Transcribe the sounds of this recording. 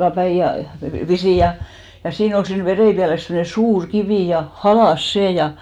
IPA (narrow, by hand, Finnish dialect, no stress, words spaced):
pæij jɑ pisiˑj jɑ jɑ siːn ol siːn ʋereipiæles semne suːr kiʋiˑ jɑ hɑlɑˑs seˑ jɑ